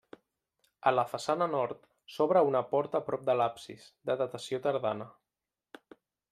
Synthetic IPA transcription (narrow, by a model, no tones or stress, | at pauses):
ələfəsanənɔɾt̪ | sɔβɾəunəpɔɾt̪əpɾɔp̚d̪əlapsḭsd̪əðət̪əsiot̪əɾðanə